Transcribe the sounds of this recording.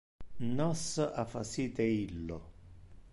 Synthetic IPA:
nɔsəʔafasiːt̪eilːo̰

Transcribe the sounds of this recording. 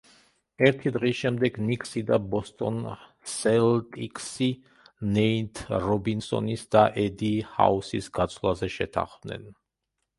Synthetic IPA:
ɛɾt̪ʰid̪ʁisʃɛmd̪ɛɡnikʼsid̪abɔst̪ʼɔn | sɛlt̪ʼikʼsi | nɛint̪ʰɾɔbinsɔ̰nisd̪aʔɛd̪iha̰usisɡat̪sʼʰlˠazɛʃɛt̪ʰa̰χvnɛ̰n

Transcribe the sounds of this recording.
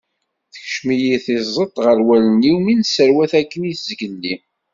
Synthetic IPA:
θə̥çʃmijiθɪzˤət̪ˤːʁəɾwæləniwminsəɾwæθækːəniθzɡənːi

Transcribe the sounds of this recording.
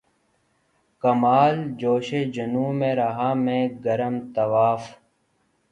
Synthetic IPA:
kɐmaːld͡ʑoːɕeːd͡ʑɐnũːmẽːɾaɦaːmẽːɡɐɾəmt̪ɐʋaːf

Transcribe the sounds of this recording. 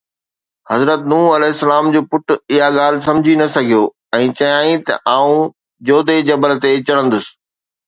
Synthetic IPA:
hɐzɾət̪nuːɐlɛɦɪsːɐlaːmd͡ʑoːpʊʈʊ̆ɪɦaɠaːl̤ɪsɐ̃md͡ʑʱinɐsɐɡʱijoː | ɛ̃ːt͡ɕɐjaːĩt̪ɐ̰ʔaːũ | d͡ʑoːd̪ed͡ʑɐbəlt̪et͡ɕɐɽə̃nd̪ʊsɪ̥̆

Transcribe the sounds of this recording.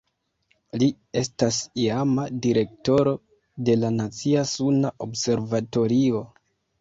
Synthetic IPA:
li | e̞stasiamadiɾe̞k̚to̞ɾo̞ | de̞lanat͡siasunaʔobse̞ɾvato̞ɾio̞

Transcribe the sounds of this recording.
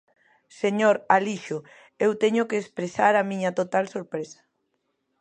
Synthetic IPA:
seɲoɾaliʃʊ | ewt̪ɛɲʊkeːspɾesaɾamĩɲɐt̪ot̪alsoɾpɾesḁ

